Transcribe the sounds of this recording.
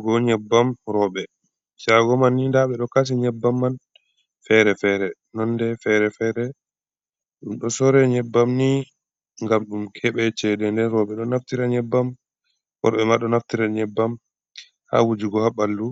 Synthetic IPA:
ɡɔɲɛbːamɾɔɓɛ | t͡ʃaɡɔmanːindaɓɛɗɔkas̬iɲɛbːamːan | fɛɾɛfɛɾɛ | nɔndɛfɛɾɛfɛɾɛ | ɗumɗɔsɔɾɛɲɛbːamni | ŋɡamɗumkʰɛɓɛt͡ʃɛdɛndɛnɾɔɓɛɗɔnaftiɾaɲɛbːam | wɔ̰ɾɓɛmaɗɔnaftiɾaɲɛbːam | ha̰wud͡ʒiɡɔhaɓalːu

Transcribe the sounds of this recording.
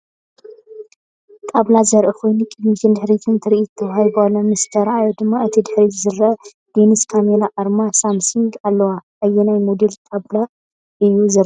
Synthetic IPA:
t̪ʼablazɐɾʔikʰo̞jnukʼɨd̪miʃɨnd̪ɨħɾit̪ʰɨnt̪ʰɨɾʔit̪ʰːɐwhajbalːɐnmɨst̪ʰɐɾʔajod̪ɨmːaɨt̪ʰid̪ɨħɾizɨɾɐ | d̪̥eniskʰamelaʔaɾmasamsuŋɡalːɐwaʔɐjːɛnajmod̪elt̪ʼabla | ʔɨjːuzɨɾ

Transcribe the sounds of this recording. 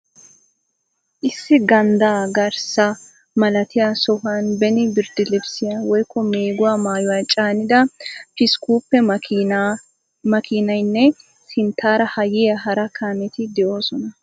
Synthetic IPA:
ʔɪsːɪɡɐnd̪aːɡɐɾsɐ | mɐlɐt̪ɪjasɔhaːnbɛnɪbɪɾd̪ɪlɪbsɪjɐwɔjkːɔmeːɡʊwaːmaːjʊwaːt͡ʃʼaːnɪd̪ɐpɪskuːpːɛ | mɐkʰɪːnɐjnːɛ | sɪnt̪ʰːaːɾɐhɐjɪjɐɦɐɾɐkʰaːnɛt̪ɪd̪ɛʔoːsɔnɐ

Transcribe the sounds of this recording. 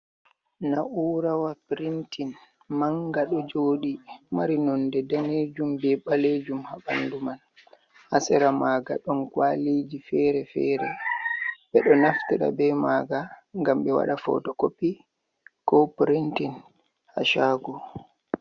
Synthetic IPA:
naʔuːɾawapɾintin | maŋɡaɗɔd͡ʒoːɗimaɾinɔndɛdaned͡ʒumbɛɓaled͡ʒumhaɓanduman | hasɛɾamaːɡa̰ɗɔnkwalid͡ʒifɛɾɛfɛ̰ːɾɛ | ɓɛɗɔnaftiɗa̰bɛmaːɡaŋɡamɓɛwa̰ɗafɔ̰tɔkopːi | kɔpɾintin | ha̰ʃaːɡɔ

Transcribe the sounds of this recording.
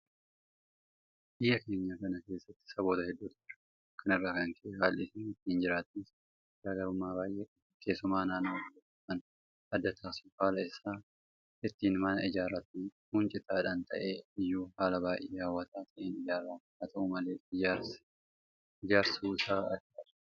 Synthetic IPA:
bɪjːɐke̞ːɲːaːkɐnɐke̞ːsːɐt̪ːɪ̥sɐbo̞ːt̪ɐhɛd̪ːuːt̪ɐɪɾɐ̥ | kːɐnɪrːaːkɐŋkɐhaːlʔɪsɪnɪt̪ːiːnd͡ʒɪɾaːt̪ɪnɪs | daːɡɐɾʊmːaːbaːjʔeːkʼɐ | keːsːʊmaːnaːnɐlɐɐ | kɐn | ɐd̪ːɐt̪ʰaːsɪ̥haːlɐɪsaː | ɪt̪ːiːnmɐnɐɪd͡ʒaːɾat̪ːɪhʊnt͡ʃʼɪt̪aːᶑaːnt̪ɐ̰ʔeːɪjːuːhaːlɐbaːjʔeːjaːwːɐt̪aːt̪ʰɐʔeːnɪd͡ʒaːɾaː | ɐt̪ɐumɐle̞ːɪjaɾs | ɪd͡ʒaːɾsɐuːɪsaːɐd͡ʒɐ̥

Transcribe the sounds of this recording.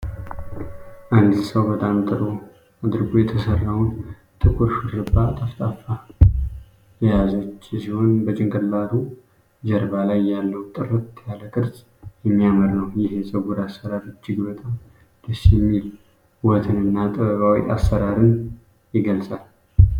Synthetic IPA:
ʔand̪zsəwbət̪ʼamt̪ʼɨɾo̞ | ad̪ɨɾɡojɛt̪ʰəsərːawn | t̪ʼɨkʰʼuɾfɨɾɨbːat̪ʼəft̪ʼafa | jɛjazət͡ʃːsiho̞nbət͡ʃʼɪŋɡɨɾlaɾu | d͡ʒəɾbalajːalːəwt̪ʼɨɾɨt̪jaləkʼɨɾs | jɛmːijaməɾnəwjɪɦesʼəɡuɾasːəɾaɾɨt͡ʃːɪɡbət̪ʼam | d̪̥əsjɛmːil | wɔt̪ʰɨnɨnːat̪ʼɨβəβawḭʔa̰sːəɾaɾɨn | jɪɡəlsʼal

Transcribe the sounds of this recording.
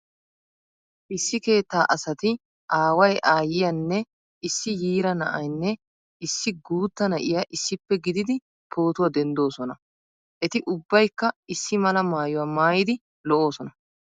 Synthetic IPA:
ʔɪsːɪke̞ːt̪ːaːʔɐsɐt̪ɪ | ʔaːwɐjʔaːjɪjɐnːɛ | ɪsːɪjiːɾɐnɐ̰ʔɐjnːɛ | ɪsːɪɡuːt̪ːɐnɐʔɪjɐʔɪsːɪpːɛɡɪd̪ɪd̪ɪ | pʰo̞ːt̪ʊwaːd̪ɛnd̪o̞ːsɔnɐ | ʔɛt̪ɪʔʊbːɐjkːɐɪsːɪmɐlɐmaːjʊwaːmaːjɪd̪ɪ | lɔʔo̞ːsɔnɐ

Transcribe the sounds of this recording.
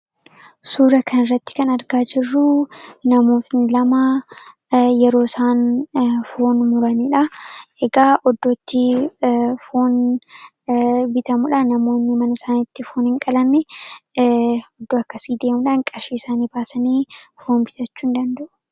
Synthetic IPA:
suːɾɐkʰɐnɪrːɐt̪ːɪ̥kɐnɐɾɡaːd͡ʒɪrːʊnɐmo̞ːt̪nɪlɐma | jɛɾo̞ːsaːnfoːnmʊɾɐniᶑɐʔɛɡaːʔɔd̪ːoːt̪ːɪ | foːn | bɪt̪ɐmʊᶑɐnɐmo̞ːnːɪmɐnɐsaːnɪt̪ːɪfoːnhɪŋkʼɐlɐnːɛ | ɔd̪ːoːɐkːɐsiːd̪e̞ːmʊᶑaːŋkʼɐɾʃiːɪsaːniːbaːsɐniːfoːnbɪt̪ɐt͡ʃːuːnd̪ɐnd̪ɐʔʊ̥

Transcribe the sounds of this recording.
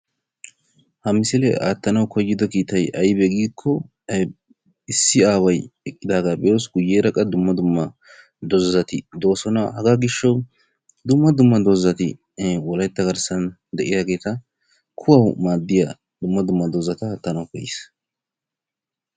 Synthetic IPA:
hɐmɪsɪlɛ̰a̰ːt̪ːɐnɐwkɔjːɪd̪ɔkiːt̪ɐjɐjbɛɡiːkʰːɔ | ɪsːɪaːwɐjɛkʼːɪd̪aːɡabɛosɡʊjːeːɾɐkʼɐd̪ʊmːɐd̪ʊmːɐ | d̪ɔzzɐt̪ɪd̪o̞ːsɔnɐhɐɡaːɡɪʃːɐw | d̪ʊmːɐd̪ʊmːɐd̪ɔzːɐt̪ɪ | wɔlɐjt̪ːɐɡɐɾsɐn | d̪ɛʔɪjaːɡe̞ːt̪ɐ | kʰʊwɐwmaːd̪ːɪja | d̪ʊmːɐd̪ʊmːɐd̪ozɐt̪ɐaːt̪ːɐnɐwkɔjɪs

